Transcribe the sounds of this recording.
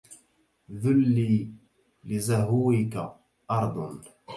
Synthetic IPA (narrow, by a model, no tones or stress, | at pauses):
ðʊlːiː | lɪzaɦuːɪka̰ | ʔɑɾˤd̪ˤn